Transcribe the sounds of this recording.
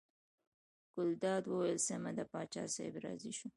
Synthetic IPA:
ɡ̥ʊld̪ɑd̪wəwajɪlsemad̪əpɑt͡ʃɑ̰sḛjbɾɑ̰ziʃu

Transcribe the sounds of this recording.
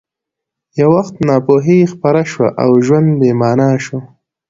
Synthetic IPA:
jawaxt̪nɑpoɦexpaɾaʃwaʔawʒwand̪bemɑːnɑʃo

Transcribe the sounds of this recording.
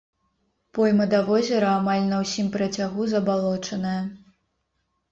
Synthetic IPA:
pɔjmɐd̪avɔzʲɛɾɐamalʲnɐwsʲimpɾɐt͡sʲaɣuzɐbalˠɔt͡ʂɐnɐjɐ

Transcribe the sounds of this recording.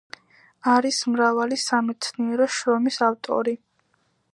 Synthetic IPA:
aɾismɾavalisamɛt̪sʰniɛɾɔʃɾɔmisaft̪ʼɔ̰ɾi

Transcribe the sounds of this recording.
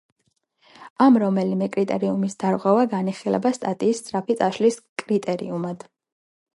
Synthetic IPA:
amɾɔmɛlimɛkʼɾit̪ʼɛɾiumisd̪̥aɾʁwɛvaɡaniχilɛ̰bast̪ʼat̪ʼiːst̪sʼɾapʰit̪sʼaʃliskʼɾit̪ʼɛɾḭumad̪̥

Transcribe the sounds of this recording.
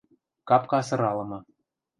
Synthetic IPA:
kɑpkɑsɤ̆ɾɑlɤ̆mɤ̆

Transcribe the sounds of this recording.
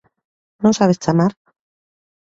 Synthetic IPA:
nõnsaβest͡ʃamaɾ

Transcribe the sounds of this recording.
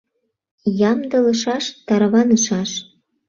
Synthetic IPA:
jɑmd̪ɤ̆lə̆ʃɑʃt̪ɑɾβɑnəʃɑʃ

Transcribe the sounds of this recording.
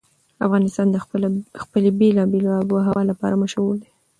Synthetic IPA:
a̰fɣɑnɪst̪ɑnd̪əxpəlebelɑbelboɦawɑlapɑ̰ɾaməʃawuld̪e

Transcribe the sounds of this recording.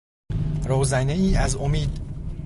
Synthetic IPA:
ɾoːzæneiːæzomiːd̪

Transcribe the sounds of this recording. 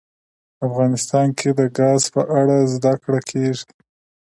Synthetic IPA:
afɣɑnɪst̪ɑnkʰed̪əɡɑzpəʔaɽazd̪akɽakʰeʐi

